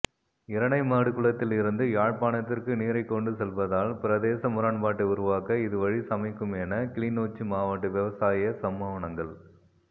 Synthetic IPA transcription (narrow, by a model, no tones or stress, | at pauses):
ɪɾɐɳɐɪmaːɽɯkɯɭɐt̪ːɪlɪɾɯnd̪ɯjaːɻpaːnɐt̪ːɪrkɯniːɾɐɪkːɔɳɖɯsɛlʋɐðaːlpɪɾɐðeːsɐmʊɾaːɳbaːʈːɯʊɾʊʋaːkɐɪðɯʋɐɻisɐmɐɪkːɯmɛnɐkɪɭiːnoːt͡ʃːɯmaːʋɐʈːɯʋɛʋɐsaːjɐsɐmːaːʋɐɳɐŋɡɐɭ